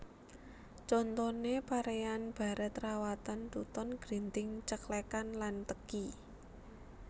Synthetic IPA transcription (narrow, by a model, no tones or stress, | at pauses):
t͡ʃɔnt̪ɔnepaɾejanb̥a̤ɾʔɛt̪ɾawat̪ant̪ut̪ɔnɡ̥ɾint̪ɪŋt͡ʃəklekanlant̪əki